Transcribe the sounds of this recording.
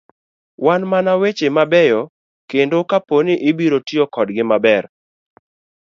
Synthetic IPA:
wanmanawet͡ʃemabɛjɔ | kendokaponɪʔɪbiɾotiɔkɔdɡɪmabɛɾ

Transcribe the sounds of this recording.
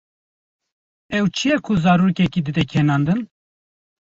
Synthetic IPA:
ɛwt͡ʃʰijɛkʰuzɑːɾuːkɛkiːd̪ɨd̪ɛkʰɛnɑːnd̪ɨn

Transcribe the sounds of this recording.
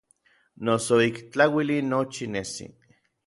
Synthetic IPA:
nosoikt͡ɬawilinːot͡ʃinesḭ

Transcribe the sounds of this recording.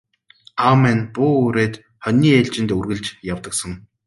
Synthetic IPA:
awmænpuːɵɾeːt̪ | χœnʲiːeɮt͡ɕɪ̆nt̪ɵrɣɘ̆ɮt͡ɕjawt̪ə̆ksə̆ŋ

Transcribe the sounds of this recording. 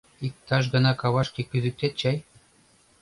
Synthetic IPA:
ik̚t̪ɑʃ̬ɡɤ̆nɑkɑwɑʃkikyzɘk̚t̪et̪̚t͡ɕɑj

